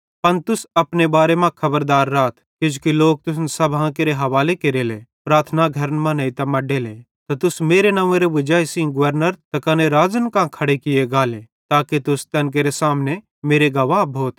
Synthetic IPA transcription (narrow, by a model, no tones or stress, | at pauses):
pɐnt̪ʊsɐpnebaːɾemãkʰɐbəɾd̪aːɾːaːt̪ʰkɪd͡ʒkiloːk̚t̪ʊs̬nsɐbʱãkeɾeɦɐʋaːlekeɾeːlepɾaːt̪ʰnaɡʱɐɾənmãnɐĩt̪ɐmɐɖeːle | t̪ɐt̪ʊsmeːɾenãːʋẽɾeʋɪd͡ʒaːjsĩŋɡʊʋəɾnəɾt̪ɐkaːneɾaːd͡ʒənkãkʰɐɽekɪjeɡaːlẽ | t̪aːket̪ʊst̪ɐnk̬eːɾesaːmne | meːɾeɡɐʋãbʱoːt̪